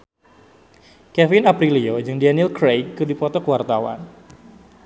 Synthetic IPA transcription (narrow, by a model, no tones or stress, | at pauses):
kɛfɪnapɾiliod͡ʒɨŋdanilkɾejkɨdipɔt̪ɔkəwart̪awa̰n